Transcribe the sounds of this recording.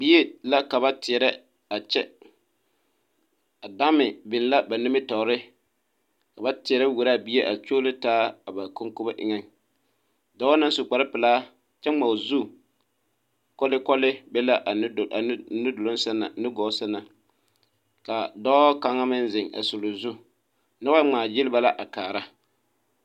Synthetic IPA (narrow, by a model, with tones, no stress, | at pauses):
bi˦e˦la˦ka˨βa˦tɪ˨ɛ˨ɾɛ˦ | a˨t͡ʃɛ˦ | a˨da˦mɪ˨bɪ˨n˦la˦ba˨nɪ˦mɪ˦tɔ˨ɾɪ˦ | ka˨ba˦tɪ˨ɛ˨ɾɛ˦wu˨ɾa˦˨bi˦e˦ʔa˨t͡ʃoː˦lɪ˦taː˦a˨ba˨ko˦ŋko˦ba˦ʔɪ̰˨ŋɛ˦ŋ | dɔ˦na˦n˦sʊ˨k͡pa˨ɾɪ˦pɪ˨laː˦ | t͡ʃɛ˦ŋ͡ma˨zu˦ | kɔ˦lɪ˦kɔ˦lɪ˦bɛ˦la˦ʔnʊ˦do˨lo˦n˦sa˦na˨nɪ˦ɡɔː˨˦sa˦na˨ | ka˨dɔ˦ka˨˦ŋa˦mɪ˦nzɪ˨ŋa̰˨sʊ˨lo˨zu˦ | na˦wa˦ŋ͡maː˨jɪ˦lɪ˦ba˦la˦ʔa˨kaː˨ɾa˦